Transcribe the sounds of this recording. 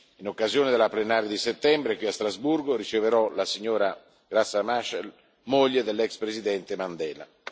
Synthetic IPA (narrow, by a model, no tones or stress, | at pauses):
inokːazjoːned̪elːaplenaːɾjad̪iset̪ːɛmbɾekwiast̪ɾazburɡoɾit͡ʃeveɾɔlasiɲːoːɾa | ɡ̥ɾasːamaʃɛl | moʎːed̪elːɛkspɾezid̪ɛnt̪emand̪ɛːla̰